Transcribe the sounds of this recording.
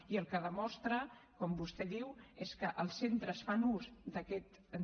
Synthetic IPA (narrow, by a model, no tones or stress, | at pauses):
iəlˠkəðəmɔst̪ɾəkɔmbust̪ɛðiweskəʔəlˠsent̪ɾəsfanuzd̪əkɛt̪